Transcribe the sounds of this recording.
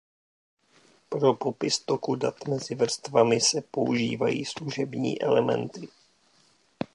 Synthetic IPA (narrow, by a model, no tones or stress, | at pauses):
pɾo̞po̞pɪst̪o̞kudat̪mɛzɪvr̩st̪vamɪsɛpo̞ʔuʒiːvajḭːsluʒɛbɲḭːʔɛ̰lɛmɛ̰nt̪ɪ